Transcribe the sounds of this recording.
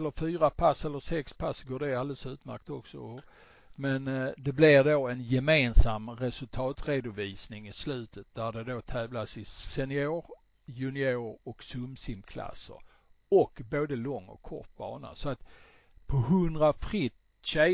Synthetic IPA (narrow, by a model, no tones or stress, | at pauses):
lːəɾfyːɾapʰasɛlːəɾsɛkspʰasɡoːɖɛald̪əlsʉ̟ːt̪mæ̰ɾk̚t̪ɔksɔ̰ | mɛnd̪ɛblɪɾd̪oːɛnjɛmeːnsamɾɛsɵlt̪ʰɑːt̪ɾeːd̪ʊviːsnɪŋɪslʉ̟ːt̪ʰət̪̚d̪æɖ̪ɛd̪oːt̪ʰɛːvlasɪsɛnɪoːɾ | jɵnɪoːɾɔksɵmsɪmkʰla̰sːə̰ɾ | ɔkboːd̪əlɔŋːɔ̰kʰːɔ̰ʈ̪̚bɑ̰ːna̰sɔat̪ | pʰɔɦɵnd̪ɾafɾɪt̪ | ɕɛ